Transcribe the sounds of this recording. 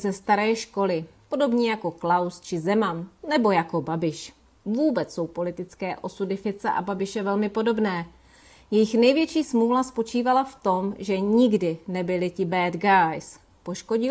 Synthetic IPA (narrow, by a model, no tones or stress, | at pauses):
zɛst̪aɾɛːʃko̞lɪpo̞do̞bɲiːjako̞klawst͡ʃɪzɛmanːɛbo̞jako̞babɪʃ | vuːbɛt͡sso̞wpo̞lɪt̪ɪt͡skɛːʔo̞sudɪfɪt̪t͡sɛʔa̰babɪʃɛvɛlmɪpo̞do̞bnɛː | jɛjɪxnɛjvjɛt͡ʃiːsmulaspo̞t͡ʃiːvalaft̪o̞mʒɛɲɪɡdɪnɛbɪlɪcɪbɛːd̪ɡajs | po̞ʃko̞ɟɪ